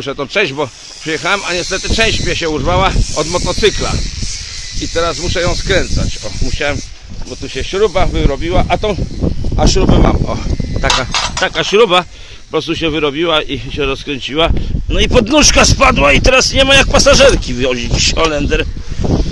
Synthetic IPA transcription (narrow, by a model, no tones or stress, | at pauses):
muʂɛt̪ɛ̃pʂɛjd͡ʑbɔ | pʂɨjɛxawɛmaɲɛst̪ɛt̪ɘt͡ʂɛ̃w̃ɕt͡ɕmʲɛɕɛurvawaɔd̪mɔt̪ɔt̪sɘkla̰ | it̪ɛɾasmuʂɛjɔ̃w̃skɾɛnt̪sa̰t͡ɕɔmuɕawɛm | bɔt̪uɕɛɕɾubavɘɾɔbʲiwaʔat̪ɔ̃w̃aɕɾubɛma̰mɔ̰t̪akat̪akaɕɾuba | pɔpɾɔst̪uɕɛvɘɾɔbʲiwaʔiɕɛɾɔskɾɛɲt͡ɕiwanɔipɔd̪nuʂkaspad̪wait̪ɛɾasɲɛmajak̚pasaʐɛɾkʲivjɔʑit͡ɕːɔlɛnd̪ɛɾ